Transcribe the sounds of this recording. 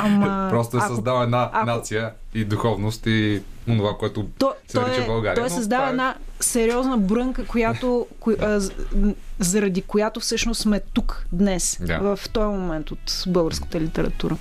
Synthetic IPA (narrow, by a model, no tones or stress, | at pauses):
aməpɾɔst̪od̪ɐsɐzd̪avɛd̪naanat̪sijə | id̪uxɔvnost̪ionovakoɛt̪ʊt̪ɔstɛɔɾjɛt͡ʃɛbɐlˠɡaɾiɔjɛsəzd̪avəɛd̪nasɛɾiɔznəbɾɤŋkəkojat̪ok | zɐɾɐd̪ikojat̪ofsɤʃnosmɛt̪ukd̪nɛsd̪a̰vɐft̪ɔjəmomɛnt̪ot̪bɤlˠɡəɾskə̥t̪əlit̪ɛɾɐ̰t̪uɾə